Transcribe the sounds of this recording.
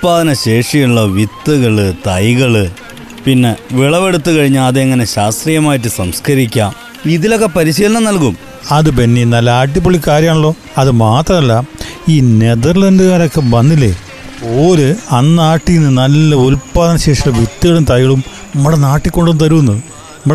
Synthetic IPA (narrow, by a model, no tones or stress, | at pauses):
paːd̪ɐnɐɕe̞ːʂɐjuɭːɐʋit̪ːuɣɐɭɨt̪ɐjɣɐɭɨ | pinːe̞ʋiɭɐʋe̞ɽut̪ːɨkɐɻiɲːɐːðeeŋːɐne̞ɕaːst̪rijɐmaːjiʈ̬ːɨsɐmskɐɾikʲːaːm | iðilo̞kːe̞pɐɾiɕiːlɐɳɐmnɐlkum | ɐðɨp̬inːenɐlːɐaːʈ̬ːipːoɭːikːaːɾjɐmaːɳuɭːo̞ː | ɐðɨmaːt̪rɐmɐlːɐiːne̞ðɐrlɐnɖɨɣaːɾo̞kːe̞ʋɐnːilːḛ | poːɾɨɐnːaːʈːijinːɨnɐlːɐulpːaːðɐnɕe̞ːʂuɭːɐʋit̪ːuɣɐɭumt̪ɐjɣɐɭum | ɐmːɐɽenaːʈːikʲːo̞ɳɖunt̪ɐɾuunːɐ | m